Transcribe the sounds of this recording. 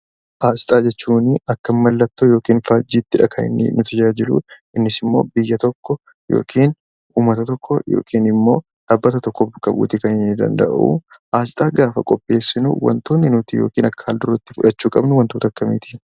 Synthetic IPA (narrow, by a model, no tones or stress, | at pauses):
ʔaːst̪ʼaːd͡ʒɛt͡ʃːuːnɪɐkːɐmmːɐlːɐt̪ːoːjo̞ːkiːnfaːd͡ʒiːt̪ːɪᶑɐkʰɐnɪ̰nːɪ̰nʊt̪ʰɐd͡ʒaːd͡ʒɪlṵ | ɪnːɪsɪmːo̞̰ːbɪjːɐt̪ɔkːɔ | jo̰ːkʰiːn | uːmːɐt̪ɐt̪ɔkʰːɔjo̰ːkʰiːnɪmːo̞ː | ᶑaːbːɐt̪ɐt̪ɔkːɔbɐkʼɐbṵːt̪ɪkɐnɪnːɪd̪ɐ̰nd̪ɐ̰ʔʔṵ | ʔaːsɪt̪ʼaːɡaːfɐ̰kʼɔpʼːe̞ːsːɪnṵwɐ̰nt̪oːnːɪnʊt̪ijo̞̰ːkiːnɐkːɐ̥haːld̪ʊɾɐt̪ːɪfʊᶑɐt͡ʃːuːkʼɐbnʊwɐnt̪oːt̪ɐkːɐmiːt̪ʰi̥